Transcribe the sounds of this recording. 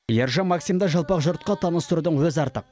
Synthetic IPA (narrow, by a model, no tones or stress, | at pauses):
jeɾʒɑmɑksijmd̪ɑʒɑlˠpɑqʒʊɾt̪̚qɑt̪ʰɑnəst̪ʊɾud̪əɴwɵzɑɾt̪əq̚